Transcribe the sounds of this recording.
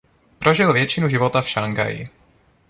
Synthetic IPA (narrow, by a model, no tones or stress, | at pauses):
pɾo̞ʒɪlvjɛt͡ʃɪnuʒɪvot̪afʃaŋɡa̰jɪ̰